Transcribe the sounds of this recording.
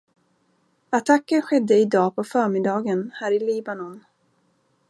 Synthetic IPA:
at̪ʰakːənɧɛd̪ːəɪd̪ɑːpʰɔfœːɾmɪd̪ɑːɡənhæːɾɪliːbanɔn

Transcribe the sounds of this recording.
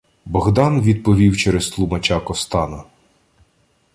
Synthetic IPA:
bɔɣd̪ɑnʋʲid̪̚pɔʋʲiwt͡ʃɛɾest̪lˠumɐt͡ʃɑkɔst̪ɑnʊ

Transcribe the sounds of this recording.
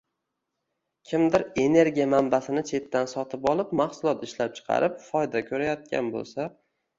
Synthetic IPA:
kʲʰɪmd̪ɪɾe̞ne̞ɾɡʲijamambasɪnɪt͡ʃʰe̞t̪ːansɒt̪ʰɪpɒlˠɪpmahsʊlˠɒt̪ɪʃlap̚t͡ʃʰɨ̥qʰɑ̰ɾɪpfɒjd̪akʲʰɵɾajɒt̪̚kʲa̰nbo̰lˠsa

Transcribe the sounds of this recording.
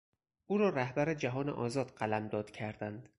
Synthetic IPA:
ʔuːɾɒːɾæhbæɾed͡ʒæɦɒːneʔɒːzɒːd̪̥ɢælæmd̪ɒːd̪̥cʰæɾd̪ænd̪̥

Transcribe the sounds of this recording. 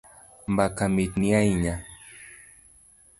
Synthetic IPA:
mbakamit̪niajɲa

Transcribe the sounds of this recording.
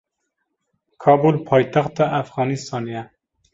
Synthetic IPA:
kʰɑːbulpʰɑːjt̪ʰæxt̪ɑʔæfɣɑːnist̪ɑːnijɛ

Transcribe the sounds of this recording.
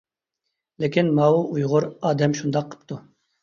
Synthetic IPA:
lekʲʰinmɑuʔujʁʊɾɑːd̪ɛmʃund̪ɑqʰːə̥p̚t̪ʰu

